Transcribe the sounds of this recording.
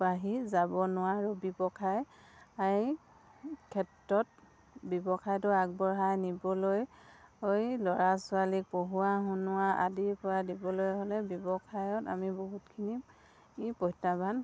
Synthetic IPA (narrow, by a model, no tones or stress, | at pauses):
baɦizabɔnʊwaɹubibɔkʰaj | aɹi | kʰɛtɹɔt̚ | bibɔkʰajtʊak̚bɔɹɦajnibɔlojojlɔɹasʊalik̚poɦuwaɦʊnʊwaʔa̰diɹpɔɹadibɔlojɦolɛbɔbɔkʰajɔta̰miboɦutkʰini | pɔjtaban